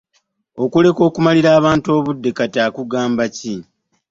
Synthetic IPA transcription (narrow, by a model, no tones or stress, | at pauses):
o̞kule̞ko̞ːkumaliɾaːβaːnto̞ːβudːe̞kataːkuɡaːmbaci